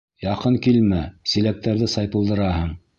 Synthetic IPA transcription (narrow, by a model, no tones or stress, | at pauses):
jɑqɤŋkilmæsilæk̚t̪æɾðɘsɑjp̪ɤ̆lˠd̪ɤ̆ɾɑɦɤɴ